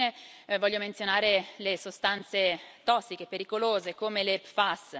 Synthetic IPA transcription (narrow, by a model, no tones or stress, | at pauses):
evɔʎːoment̪sjonaːɾelesost̪ant̪set̪ɔsːik̟epeɾikoloːzekomelepfas